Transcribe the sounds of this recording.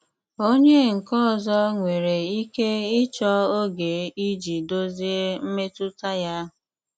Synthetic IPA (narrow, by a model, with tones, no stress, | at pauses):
o˦ɲe˦ŋ̩˨kɔ˦˨zɔ˦ŋʷe˨ɾe˨i˦ke˦ɪ˦t͡ʃɔ˦o˦ɡe˨i˦d͡ʒi˨do˦zi˦e˦m̩˦me˦tʊ˦ta˦ja˦